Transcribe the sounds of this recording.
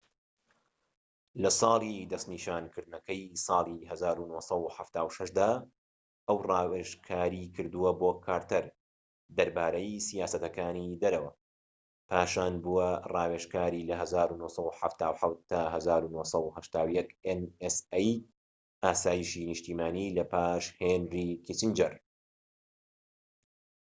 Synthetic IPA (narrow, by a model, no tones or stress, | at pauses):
lɐsˤɑːlˠid̪ɐst̪niːʃaːnkʰɨɾd̪̚nɐkɐjsˤɑːlˠiɦɐzaːɾunosˤɐwuħaft̪aːwʃɐʃd̪aː | ʔɐwrɑːweʃkʰaːɾiːkʰɨɾd̪uwɐboːkʰaːɾt̪ɐɾ | d̪ɐɾbaːɾɐjsijaːsɐt̪ɐkaːnid̪ɐɾɐwɐ | pʰaːʃaːnbuwɐrˤɑːweʃkaːɾilɐɦɐzaːɾunoːsˤɐuħa̰ft̪aːwħawt̪̚t̪ːaːɦɐzaːɾunoːsɐwuhɐʃt̪aːwjɛkenesej | ʔaːsaːjiʃiːnɪʃt̪iːmaːniːlɐpaːʃhenriːkʰit͡ʃind͡ʒɐɾ